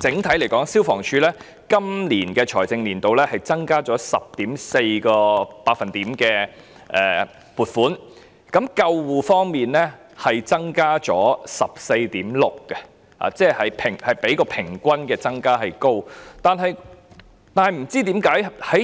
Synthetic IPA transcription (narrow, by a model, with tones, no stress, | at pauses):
t͡sɪ˨˥ŋt̪ʰɐ˨˥jle˨˩jkɔː˨˥ŋsiː˥wfɔː˨˩ŋt͡ʃʰyː˧lɛː˥ | kɐ˥mliː˨˩nkɛː˧t͡ʃʰɔː˨˩jt͡sɪ˨ŋliː˨˩nt̪o˨wlɛː˥hɐ˨jt͡sɐ˥ŋkaː˥t͡sɔː˨˥sɐ̰˨p̚t̪iː˨˥mse˧jkɔː˧paː˧t̚fɐ˨nt̪iː˨˥mkɛː˧ | ʔɛː˨ | puː˨t̚fuː˨˥n | kɐ˨˥mkɐ˧wwuː˨fɔː˥ŋmiː˨nlɛː˥ | hɐ˨jt͡sɐ˥ŋkaː˥t͡sɔ̰ː˨˥sɐ˨p̚se˧jt̪iː˨˥mlʊ˨k̚kɛ˧ | ha̰ː˨˩t͡sɛː˥˩hɐ˨jpʰɪ˨˩ŋhɐ˨jpe˨˥jkɔː˧pʰɪ˨˩ŋkʷɐ˥nkɛː˧t͡sɐ˥ŋkaː˥ɦɐ˨jko˥wt̪aː˨nɦɐ˨˧j | t̪aː˨nhɐ˨jm̩˨˩t͡siː˥t̪iː˨˥mkaː˨˥jhɐ˨˥j